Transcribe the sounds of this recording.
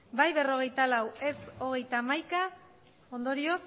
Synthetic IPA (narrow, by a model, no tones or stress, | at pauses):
bajβe̞ro̞ɣ̞e̞jt̪alawe̞so̞ɣ̞e̞jt̪aːmajka | o̞nd̪o̞ɾio̞s